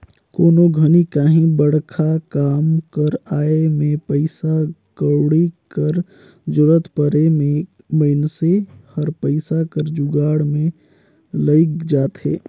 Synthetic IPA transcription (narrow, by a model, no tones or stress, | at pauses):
koːnoɡʱənikaːɦĩbəɽkʰakaːmkəɾaːemẽpəɪsakəɾɽikəɾ | d͡ʒʊɾət̪pəɾeme | məɪnsehəɾpəɪsakəɾd͡ʒʊɡaːɽmẽ | ləɪkd͡ʒaːt̪ɦḛː